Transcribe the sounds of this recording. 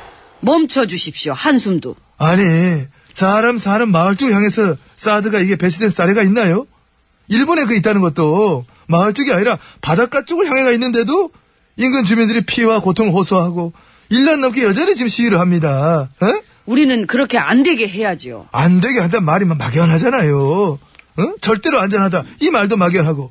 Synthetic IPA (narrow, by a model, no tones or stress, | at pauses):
mʌmt͡ɕʰʌd͡ʑuɕʰip̚ɕ͈ohansʰumdo | aɲi | saɾamsʰanɯnmaɯɭt͡ɕ͈uɡçjaŋe̞sʰʌ | s͈adɯɡaiɡe̞pe̞t͡ɕʰide̞ns͈aɾeɡainːajo | iɭbone̞k̬ɯit͈̚anɯnɡʌt̚t͈o | maɯɭt͡ɕ͈uɡiaɲiɾapadak͈at͡ɕ͈oɡɯɭçjaŋɦe̞ɡainːɯnde̞do | inɡɯnt͡ɕumindɯɾipʰiwakotʰoŋɯɭɸosʰoɦaɡo | iɭːanːʌmk̬͈ʰejʌd͡ʑʌnet͡ɕimɕʰiiɾɯɭhamɲidae | uɾinɯnkɯɾʌkʰe̞a̰nde̞ɡeɦe̞jad͡ʑio̰andwe̞ɡeɦandanmaɾimama̰ɡjʌnɦad͡ʑanajo | t͡ɕʌɭt͈e̞ɾoand͡ʑʌnɦadaimaɭdomaɡjʌnɦaɡo